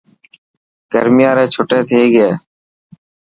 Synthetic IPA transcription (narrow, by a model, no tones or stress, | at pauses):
ɡə̰ɾmɪjãːɾẽːt͡ʃʰoːʈeːt̪ʰeːɡeː